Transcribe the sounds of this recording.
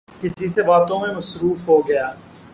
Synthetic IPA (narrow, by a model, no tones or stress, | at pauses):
kɪsisebaːt̪õmẽmɐsɾuːfɦoɡɐjaː